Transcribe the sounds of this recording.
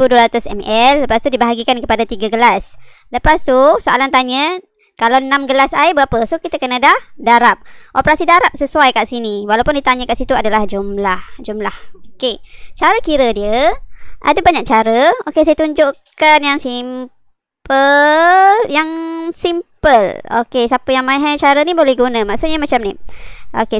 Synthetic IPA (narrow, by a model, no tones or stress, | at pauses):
ibuduəɾat̪ʊsɛ̰mɛlːəpast̪udibaɦaɡikankəpadat̪iɡaɡəlas | ləpast̪usoalant̪aɲə | kalawnãmɡəlasaibəapəsukit̪akənadahdaɾap̚ʔopəɾasidaɾap̚səsuajkaʔsiniwalawpʊndit̪aɲəkaʔsit̪uadalahd͡ʒumlahd͡ʒumlahoket͡ʃaɾəkiɾədiəʔa̰dabaɲak̚t͡ʃaɾəokes̬ajət̪uɲd͡ʒʊʔkanjaŋsim | pəljaŋsimpəlo̰kesapəjaŋmajɦat͡ʃaɾənibolɛhɡunə̃maʔsuʔɲamat͡ʃamniʔo̰ke